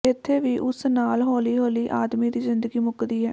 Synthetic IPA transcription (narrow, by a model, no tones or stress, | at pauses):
ɪt̪ʰːeːʋiːʔʊsnaːlɦoːliːɦoːliːʔaːd̪miːd̪iːzɪnd̪əɡiːmʊkd̪iːɦɛ̰ː